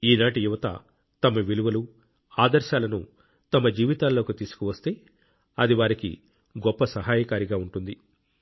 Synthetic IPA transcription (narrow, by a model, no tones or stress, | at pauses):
iːnaːʈijuʋɐt̪ɐ̰ | t̪ɐmɐʋiluʋɐlu | aːd̪ɐɾʃaːlɐnṵ | t̪ɐmɐd͡ʒiːʋit̪aːlːo̞ːkut̪iːsu̥kuʋɐst̪e̞ː | ɐd̪iʋaːɾikḭ | ɡɔpːɐsɐɦaːjɐkaːɾiɡaːuɳʈund̪i